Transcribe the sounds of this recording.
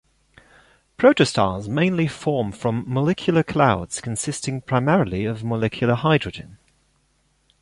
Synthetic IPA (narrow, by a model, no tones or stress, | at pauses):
pʰɹ̥əʊtəstɑ̰ːzmẽɪ̃nlifɔːmfɹə̃mːəlɛkʰjlˠəkʰl̥aʊdz̥kʰə̃nsɪstɪ̃ŋpʰɹ̥aɪmɛɹəlˠiəvməlɛkʰjl̩ˠəhaɪdɹəd͡ʒɪ̰̃n